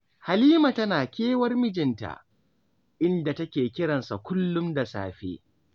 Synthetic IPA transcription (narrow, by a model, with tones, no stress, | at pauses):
ha˨liː˦ma˨tɐ˦naː˨kʲeː˦wɐ˦rmɪ˦d͡ʒɪ˨nta̰˨ | ʔɪ˦nda˨tɐ˦kʲeː˨kʲɪ˦ɽɐ˨nsa˨kʷʊ˦lːʊ˦mda˨sa̰ː˨ɸḛː˦